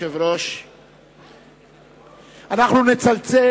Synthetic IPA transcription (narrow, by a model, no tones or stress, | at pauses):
evɾoʃ | anaχnunet͡salt͡se